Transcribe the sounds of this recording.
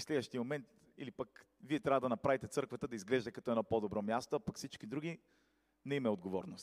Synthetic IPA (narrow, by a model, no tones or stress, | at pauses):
slɛd̪vəʃt̪iəmomɛnt̪ | ilipɐk | viɛt̪ɾʲavɐəd̪ɐnɐpɾavit̪ɛt̪sɤɾkvɐt̪əd̪ɐizɡlɛʒd̪ɛkɐt̪ɔɛnɔpod̪obɾɔmjast̪oapɐkfsit͡ʃkid̪ɾuɡi | nɛimɛod̪̚ɡovɔ̰ɾnost̪